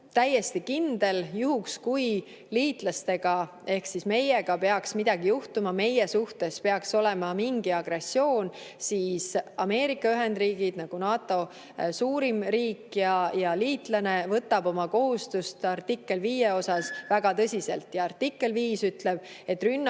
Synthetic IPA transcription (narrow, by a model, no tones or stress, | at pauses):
t̪æjːe̞st̪ikind̪̥e̞ljuhukskuj | liːt̪ˑlɑst̪e̞ɡ̥ɑ | e̞hksisme̞je̞ɡ̥ɑpe̞ɑksmid̪̥ɑɡ̥ijuht̪umɑme̞jesuht̪e̞spe̞ɑkso̞le̞mɑmiŋɡiɑɡre̞sːjo̞ːnsiːsɑme̞ːɾikːˑɑyɦe̞nd̪riːɡ̥id̪̥nɑɡ̥unɑːt̪ːˑo̞ | suːɾimɾiːkjɑjɑliːt̪lɑne̞vɤt̪ːˑɑbo̞mɑko̞ɦust̪ust̪ɑrt̪ikˑːe̞lviːjeo̞sɑsvæɡ̥ɑt̪ɤsʲise̞̰lt̪jɑɑrt̪ːikːˑe̞lviːsyt̪le̞b̥̚ | e̞t̪ːˑrynː